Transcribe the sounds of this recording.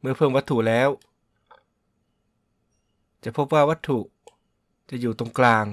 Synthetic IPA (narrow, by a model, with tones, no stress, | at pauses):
mɯ˧ɐpʰɤː˧˩˨mwa˦˥t̪ʰːu˧˩ʔlɛː˦˥w | t͡ɕa˨˩˨pʰo˦˥p̚waː˧˥˩wa˦˥t̪ʰːu˨˧˩ʔ | t͡ɕa˨˩juː˨˩t̪o˧˩ŋklaː˧˩ŋ